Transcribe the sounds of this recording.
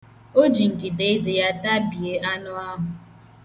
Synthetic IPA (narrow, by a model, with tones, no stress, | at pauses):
o˦d͡ʒi˨ŋ̩˨ki˨de˦e˦ze˨ja˦ta˦bi˨e˨ʔa˦nʊ˦a˦ɦʊ˨